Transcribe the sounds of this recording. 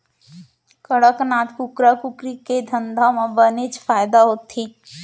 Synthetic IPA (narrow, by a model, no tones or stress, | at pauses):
kəɽəknaːt̪kʊkɾakʊkɾiked̪ʱə̃nd̪ʱamãbənet͡ʃfʰaːjd̪aɦoːt̪ːiː